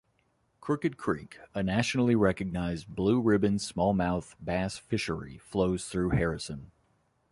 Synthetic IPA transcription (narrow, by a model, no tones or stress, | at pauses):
kʰɹ̥ɜkɨd̚kʰɹ̥ikənæʃnl̩ˠiɹɛkɨɡ̚naɪzbluɹɪbɨ̃nsmɔlˠmaʊθb̥æsfɪʃə˞ḭfloʊz̥θɹʉhɛɹɨsɨ̃n